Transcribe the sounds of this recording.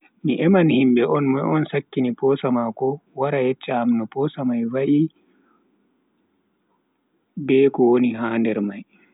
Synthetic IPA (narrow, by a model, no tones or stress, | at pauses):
miʔɛmanhimbɛʔɔnmaɔnsakːinipɔːsamakɔwaɾajɛt͡ʃːaamnɔpɔsamajwaʔi | bɛkɔwoniɦaːndɛɾmaj